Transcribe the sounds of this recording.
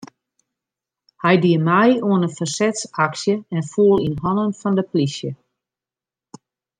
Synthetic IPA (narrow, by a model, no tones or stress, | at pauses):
hɛjdiəmajuənəfərsɛtsaksjəɛnfuəlˠinhɔnənfɔndəplisjə